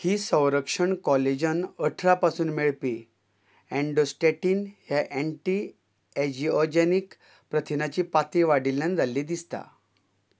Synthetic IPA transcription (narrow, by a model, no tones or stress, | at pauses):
hiːsə̃w̃ɾəkʂəɳkɔled͡ʑənəʈʰɾapasuːnmeɭpi | ɛ̃ɳɖosʈeʈiːnɦjaʔɛ̃ɳʈiː | ɛd͡ʑiɔd͡ʑenik | pɾət̪ʰinat͡ɕiːpat̪iʋaɽilːand͡z̪alːiːd̪ist̪a̰